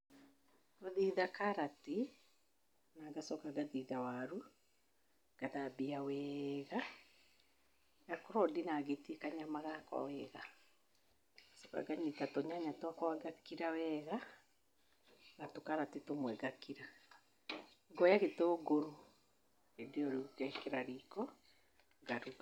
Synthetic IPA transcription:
oðiðakaɾati | naɡasɔkaɡaðiðawaɾu | ɡ̥aðabiawɛɣa | jakoɾɔdinaɣetiekaɲamaɣakwa̰wɛɣa | sɔka̰ɡaɲetatoɲaɲatoakɔwaɡakiɾawɛɣa | natokaɾatetomwɛɡakiɾa | ɡɔjaɣetoːɡoɾo | edeɔɾukɛkeɾaɾikɔ | ɡaɾu

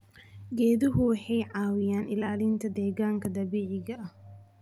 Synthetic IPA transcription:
ɡɛːðʊɦʊwɑħɑjʕɑːwɪjaːnɪlaːlɪnt̪ʰɐd̪ɛːɣaːŋkʰɐd̪ɐβiːʕɪɣɐʔɐh

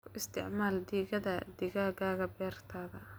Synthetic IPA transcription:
kʰʊʔɪst̪ʰɪ̰ʕmaːld̪iːɣɐðɐd̪iɣaːɣaːɣɐbɛːrt̪ʰaːɣɐ

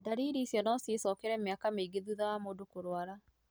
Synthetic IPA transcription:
daɾiːɾiːsjɔnɔsesɔkɛɾɛmeakameiɡeðuðawamoːdokoɾwaɾa

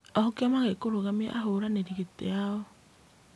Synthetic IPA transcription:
ɔhokeɔmaɣekoɾoɣamḭʔaɦoɾaneɾiɣetḛaɔ

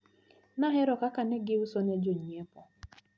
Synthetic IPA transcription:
naɦɪɾɔkakanɪɡɪusɔned͡ʒoɲiepɔ

